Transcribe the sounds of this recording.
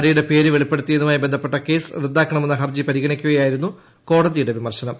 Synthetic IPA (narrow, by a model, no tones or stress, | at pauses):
ɾijuɽe̞pe̞ːɾɨʋe̞ɭipːe̞ɽut̪ːijenːumaːjibend̪ʱɐpːe̞ʈːɐke̞ːsrɨd̪ːaːkːɐɳɐmenːɨɦɐrd͡ʑipɐɾiɣɐɳikʲːuɣɐjaːjiɾunːu | ko̞ːɽɐðijuɽe̞ʋimɐrɕɐnɐm